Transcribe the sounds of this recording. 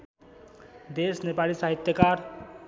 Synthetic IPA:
d̪esnepalisaɦit̪jəkaɾ

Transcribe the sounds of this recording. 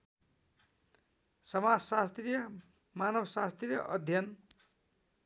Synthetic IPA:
sʌmad͡zsast̪rijʌ | manʌbʌsast̪rijʌ̰ʔʌd̪ʱjʌn

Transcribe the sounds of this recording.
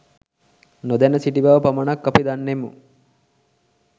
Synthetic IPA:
nod̪ænəsiʈibaʋəpamənakːapid̪anːemu

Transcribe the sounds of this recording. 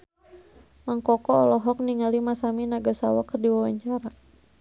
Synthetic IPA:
maŋkɔkɔːlɔɦɔk̚niŋalimasaminaɡasawakərdiwawaɲt͡ʃaɾa

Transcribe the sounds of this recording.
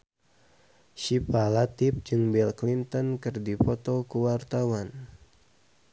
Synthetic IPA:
ʃipalat̪ɪp̚d͡ʒɨŋbɛlklint̪ənkɨrdifɔt̪ɔkuwart̪awan

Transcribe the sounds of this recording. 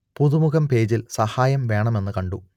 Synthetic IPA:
puðumuɣɐmpe̞ːd͡ʑilsɐhaːjɐmʋe̞ːɳɐme̞nːɨkɐɳɖu

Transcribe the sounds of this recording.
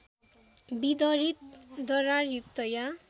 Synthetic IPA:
bid̪ʌɾit̪̚d̪ʌɾarjuk̚t̪ʌja

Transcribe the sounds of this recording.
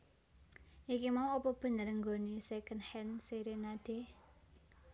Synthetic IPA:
ʔikimauɔpɔb̥ə̤ɲəɾəŋɡo̤nisɛkənhɛnsiɾenaɖ̥e̤

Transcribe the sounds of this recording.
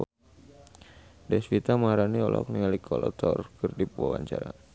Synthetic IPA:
dɛsfit̪amaaɾaniɔlʔɔ̰k̚niŋalikʰɔlɔt̪ʰɔrkɨrdipwawaɲt͡ʃaɾa̰

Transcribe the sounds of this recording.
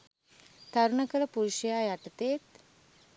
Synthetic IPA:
t̪ʰaɾɳəkəɾəpuɾuɕəjajaʈt̪et̪

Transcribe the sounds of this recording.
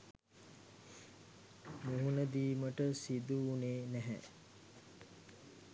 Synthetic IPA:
muɦunəd̪iːməʈəsid̪uːneːnæɦɛ̰

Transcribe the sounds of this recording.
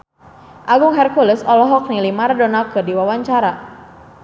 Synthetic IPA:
ʔaɡʊŋɦɛrkulɪsɔlɔɦɔk̚nilimaɾadonakɨrdiwawaɲt͡ʃaɾa

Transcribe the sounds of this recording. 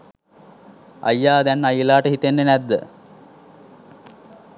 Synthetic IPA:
ɐ̰jːaːd̪ænajilaːʈəɦit̪enːənæd̪ːə̰

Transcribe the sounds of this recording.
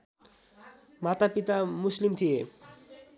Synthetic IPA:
mat̪apit̪amuslimt̪ʰie

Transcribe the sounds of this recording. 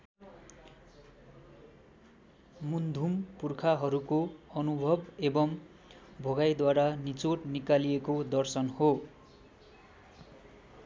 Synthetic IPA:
mund̪ʱumpurkʰaɦʌɾukoʌnubʱʌbebʌm | bʱʌɡajd̪waɾanit͡soʈnikalijekod̪ʌrsʌnho

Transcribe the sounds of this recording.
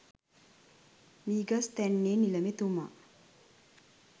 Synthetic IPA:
miːɡast̪ænːeːniləmet̪uma̰

